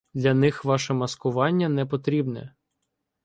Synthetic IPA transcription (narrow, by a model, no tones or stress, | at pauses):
d̪lʲɐnɪxʋɑʃɛmɐskʊʋɑnʲːɐnɛpɔt̪ɾʲibnɛ̰